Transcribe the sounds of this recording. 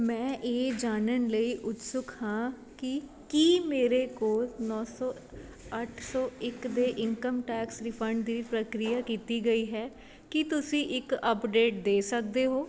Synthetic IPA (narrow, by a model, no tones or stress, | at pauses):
mɛ̃ːʔeːd͡ʒaːnənləiːʔʊt̪sʊkhãː | kɪ | kiːmeːɾeːkoːlnɔːsɔː | əʈʰsɔːɪkd̪eːʔɪŋkəmʈɛːksɾɪpʰəɳɖd̪iːpɾəkɾɪjaːkiːt̪iːɡəiːɦɛː | kɪt̪ʊsĩːʔɪkəpɖeːʈ̚d̪eːsək̚d̪eːɦoː